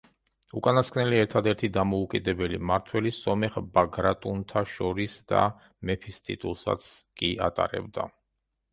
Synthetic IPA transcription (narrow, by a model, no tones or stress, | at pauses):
ukʼanaskʰnɛliɛɾt̪ʰad̪ɛɾt̪ʰid̪amɔukʼid̪ɛbɛlimaɾt̪ʰwɛlisɔmɛχbaɡɾat̪ʼunt̪ʰaʃɔɾisd̪a̰ | mɛpʰist̪ʼḭt̪ʼulˠsa̰t̪sʰkʼiʔa̰t̪ʼa̰ɾɛ̰bd̪a̰